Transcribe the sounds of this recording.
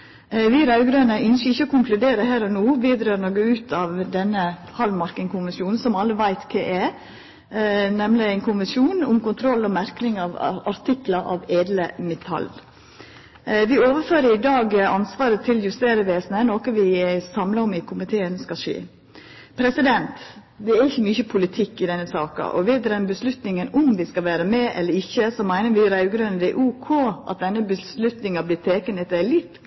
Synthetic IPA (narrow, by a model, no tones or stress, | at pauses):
ʋiːɾɑʉɡɾøːnəʔʏnʃəɪçːəɔkʊŋklʉd̪eːɾəhæːɾɔnoːʋiːd̪ɾøːɾnoɡəʉːt̪ʰɑːʋd̪ɛnːə | hɑlmɑɾkəŋkʰʊnʋəsjuːnn̩sɔmɑlːəʋæɪt̪kʰeːʔɛ | nɛmlɪæɪnkʰʊnʋəsjuːnʊmkʊnt̪ʰɾɔlːɔmæɾknɪŋɑːʋɑɾt̪ʰɪklɑʔɑ̰ʋeːd̪ləmɛt̪ʰɑ̰l | ʋɪoːʋəɾføːɾəɪd̪ɑːɡɑnsʋɑːɾət̪ʰɪljʉst̪eːɾəʋeːsnənɔːkəʋɪsɑmlɑɔmɪkʰʊmɪt̪ʰeːənskɑʂḭː | pʰɾɛsɪd̪ɛnt̪ | d̪ɛæɾɪçːəmyːçəpʰʊlɪt̪ʰɪkːɪd̪ɛnːəsɑ̰ːkɑ̰ʔɔ̰ʋɛːd̪əɾɛnbəslʉt̪nɪŋənʊmʋɪskɑʋæːɾəmɛʔɛ̰lːəɾɪçːəsɔmæɪnəɾʋɪɾæʉɡɾœnəd̪ɛʔuːkʰoːʔɑ̰t̪̚d̪ɛnːəbəslʉt̪nɪŋɑblɪt̪ʰeːkənɛt̪ːælɪt̪ː